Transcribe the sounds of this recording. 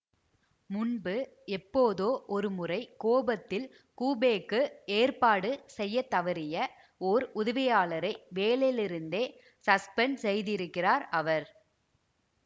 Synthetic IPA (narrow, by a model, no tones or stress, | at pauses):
mʊnbɯ | ɛpːoːðoːʔɔɾɯmʊrɐɪkoːbɐt̪ːɪl | kuːbeːkːɯeːrpaːɽɯsɛjːɐt̪ːɐʋɐɾɪjɐ | oːɾʊðɐʋɪjaːɭɐɾɐɪʋeːlɐjlɪɾɯnd̪eː | sɐspɛnsɛjðɪɾɯkːɪraːɾɐʋɐɾ